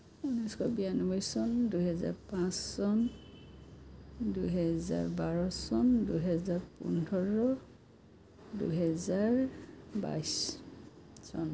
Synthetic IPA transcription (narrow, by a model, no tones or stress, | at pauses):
unɔjskʰɔbijanɔbɔjsɔnduɦɛza̰ɹpãsːɔn | duɦɛza̰ɹbaɹɔsɔnduɦɛzaɹpṵnɔɹɔ | dṵɦɛzaɹba̰js | sɔn